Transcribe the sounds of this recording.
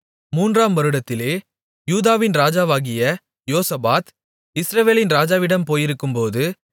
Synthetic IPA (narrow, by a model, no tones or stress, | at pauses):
muːndraːmʋɐɾɯɽɐt̪ːɪleː | juːðaːʋɪnɾaːd͡ʒaːʋaːɣɪjɐ | joːsɐbaːt̪ | ɪsɾɐʋeːlɪnɾaːd͡ʒaːʋɪɽɐmpoːjɪɾɯkːɯmpoːðɯ